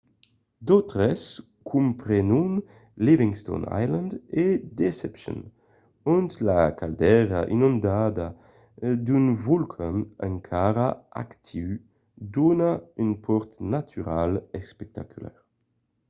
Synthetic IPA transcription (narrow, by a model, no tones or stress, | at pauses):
d̪ɔt̪ʁɛs | kʰumpɾɛnun | liviŋst̪o̰na̰jlãnd̪ed̪esɛpʃɔ̰n | unt̪lakald̪ɛʁaʔinũnd̪ad̪a | d̪ynvulkʰanaŋkʰaɾaa̰kt̪ʰiw | d̪unaynpʰɔɾt̪nat̪ʰyɾalespɛk̚t̪akʰylɛ̰ʁ